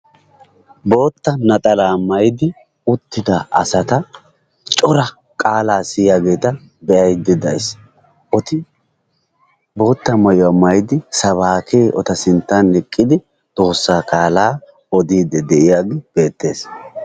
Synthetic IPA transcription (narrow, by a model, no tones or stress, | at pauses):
bo̞ːt̪ːɐnɐt̪ʼɐlaːmɐjd̪ɪ | ʊt̪ːɪd̪ɐɐ̰sɐt̪ɐ | t͡ʃʼɔɾɐ | kʼaːlaːsɪjaːɡe̞ːt̪ɐ | bɛʔɐjd̪ːɛd̪ɐjɪs | ɔt̪ɪ | bo̞ːt̪ːɐmɐjamɐjd̪ɪsɐβaːkʰe̞ːʔɔt̪ɐsɪnt̪ːanːɛkʼːɪd̪ɪ | t̪ʼo̞ːsːaːkaːlaː | ɔd̪iːd̪ɛd̪ɛʔɪjaːɡɪb̥e̞ːt̪ːe̞̰ːs